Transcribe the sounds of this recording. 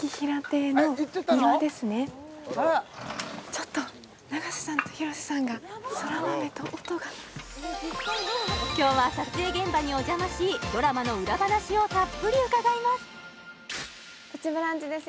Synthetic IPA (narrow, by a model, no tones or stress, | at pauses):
kʲiçiɾat̪e̞noiad̪e̞sɨne̞ | t͡ɕot̪ːo̞ | naɡaɕi̥sãnt̪o̥çiɾo̞ɕi̥sãŋɡasoɾaβamet̪oʔot̪oɡa | kʲo̞ːβaɕat͡seːɡẽ̞mbaɲ̟io̞ʑamaɕiːd̪o̞ɾamano̞ɯ̟ɾabad̪aɕio̞t̪apːɯ̟ɾʲiɯ̟kaɡaimasɨ̥ | kat͡ɕibɯ̟ɾãɲt͡ɕid̪e̞s